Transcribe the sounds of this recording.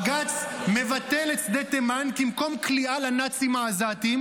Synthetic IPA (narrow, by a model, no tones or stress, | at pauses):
ɡat͡sme̞vat̪e̞let͡sd̪et̪emankimko̞mkliʔalanat͡simaːzat̪im